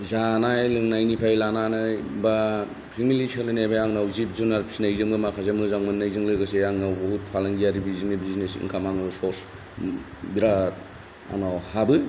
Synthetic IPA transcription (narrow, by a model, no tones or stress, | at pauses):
zanajlɯŋnajnipʰajlananɯba | pʰimilisalɯnebajaŋnawzibzunaɾpʰisinajzɯmɡɯmakʰas̬emɯzaŋmɯnːajzɯŋlɯɡɯsejaŋnaboɦut̚pʰalaŋɡijaɾibiziŋibiznesḭŋkʰamanɯsoɾs | biɾa | a̰nɔhabɯ